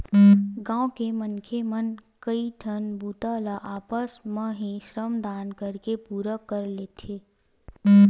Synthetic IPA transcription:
ɡãːõkemənkʰemənkəiʈ̪ʰənbuːt̪alaʔaːpəsmə̃ɦiʃɾəmd̪aːnkəɾkepuːɾəkəɾleːt̪ʰeː

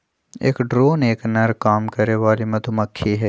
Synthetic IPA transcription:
ḛːkɖɾoːneːknɐɾkaːmkɐɾeʋaːlimɐd̪ʱumɐkʰːiɦɛː

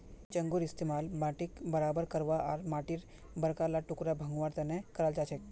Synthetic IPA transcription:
t͡ʃəŋɡuɾɪst̪imalbaʈikbəɾabəɾkəɾʋaʔaɾmaʈiɾ | bəɾkalaʈukɾabʱə̃ŋɡʋaɾt̪enekəɾald͡ʒat͡ʃʰek

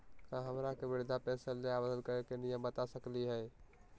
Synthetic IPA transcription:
kaɦəmɾakebɪɾd̪ʱapɛ̃nsəlːeabəd̪ənkəɾekenijəmbət̪asəkliɦəj

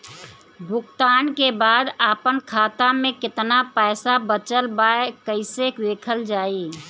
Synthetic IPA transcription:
bʱʊkt̪aːnkebaːd̪aːpənkʰaːt̪amẽkɪt̪napɛːsabət͡ʃəlbaːekəɪsekd̪eːkʰəld͡ʒaːi

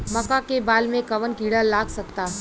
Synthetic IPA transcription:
mɐkakebaːlmẽkɐʋənkiːɽalaːɡsɐk̚t̪aːɦ

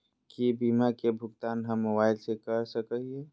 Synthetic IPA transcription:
kibimakebʱʊɡt̪aːnɦəmːobaːɪlsekəɾsəkəɦɛ

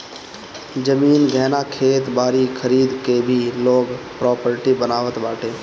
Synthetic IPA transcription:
d͡ʒəmiːnɡʱɛːnakʰeːt̪baːɾikʰəɾiːd̪kebʱiloːɡpɾɔːpəɾʈibənaːʋət̪baːʈʰeː

